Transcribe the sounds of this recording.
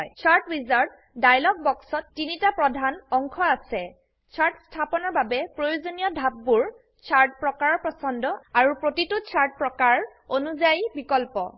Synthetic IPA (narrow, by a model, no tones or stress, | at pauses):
jt͡ʃʰaɹtɹizaɹd | dajlɔɡ̚bɔksɔtːinitapɹɔdʱanɔŋkʰɔasɛ | t͡ʃʰaɹʈstʰapɔnɔɹbabɛpɹojozonijɔdʱab̚ːuɹ | t͡ʃʰaɹt̚pɹɔkaɹɔpɹɔsɔndɔaɹupɹotitut͡ʃʰaɹʈ̚pɹɔkaɹonuzajibikɔlpɔ̰